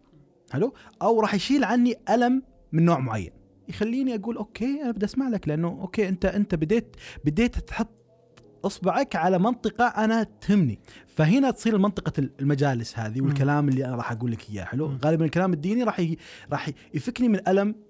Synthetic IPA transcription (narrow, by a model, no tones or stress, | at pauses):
ħɪluʔawɾˤɑːħjʃiːlʕanːiʔalamː | ɪnːoːʕmʊʕa̰jːa̰n | jxalːiːniʔaɡuːlʔoːkeːʔaabd̪aʔasmaʕlaklɪʔanːuʔo̰ːkːeːʔɪnt̪aʔɪnt̪abɪd̪eːt̪bɪd̪eːt̪ːħʊt̪ˤː | ʔɑsˤbɪʕakʕalamɑnt̪ˤɨqɑʔanat̪hɪmːnḭfaɦɪnat̪sˤiːɾɪlmɑnt̪ˤɨqɑlmad͡ʒaːlɪshaːðiwɪlkalaːmɪlːiʔaɾˤɑːħʔaɡuːlːakhɪjːa̰ħɪluɣaːlɪbanɪlkalaːmɪd̪ːiːniɾˤɑːħjɾˤɑːħ | jfɪknimɪnʔalam